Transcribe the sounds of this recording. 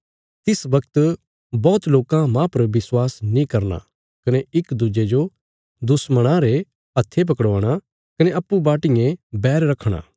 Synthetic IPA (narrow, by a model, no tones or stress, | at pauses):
t̪ɪsʋɐkt̪ | bɔːt̪loːkãmãpɐɾʋɪswaːsnĩkɐɾna̰ | kɐneɪkd̪ud͡ʒed͡ʒo | d̪ʊsməɽ̃ãɾe | ɐt̪ʰːep̬ɐkɽaːɽ̃a | kɐneɐpːubaːʈɪjẽbɛːɾɾɐkʰːɽ̃a̰ː